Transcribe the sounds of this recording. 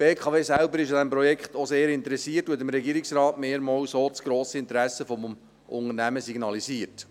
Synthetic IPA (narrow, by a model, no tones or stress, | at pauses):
b̥eːkʰɑveːsælbəɾɪʃjɑd̪æmpɾɔjɛkχt̪oseːɾɪnt̪əɾɛsiːərtuɛtɪmɾɛɡiːɾiksɾɑːtmeːɾmɑwsoːt͡sɡ̥ɾoːsəɪnt̪əɾæsːəfɔm | ʔʊŋənæməsiɡnɑliziːərt